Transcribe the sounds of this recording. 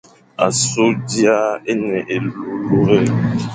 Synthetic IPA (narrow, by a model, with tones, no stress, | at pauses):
a̰˨so˦di˦a˦e˦nɛ˨ʔe˨lu˦lu˦ɾɛ˦